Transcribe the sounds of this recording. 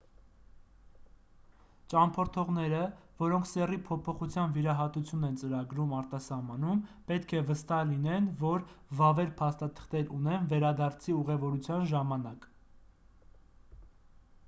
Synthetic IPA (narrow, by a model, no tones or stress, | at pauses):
t͡ʃɑmpʰɔɾt̪ʰɔʁnɛɾə | vɔɾɔŋkʰsɛripʰɔpʰɔχut͡sʰjɑnviɾɑɦɑt̪ut͡sʰjunɛnt͡səɾɑɡɾumɑɾt̪ɑsɑhmɑnumpɛt̪kʰɛvəst̪ɑlinɛnvɔɾvɑvɛɾpʰɑst̪ɑt̪ʰə̥χt̪ɛɾunɛnvɛɾɑd̪ɑɾt͡sʰiuʁɛvɔɾut͡sʰjɑnʒɑmɑnɑk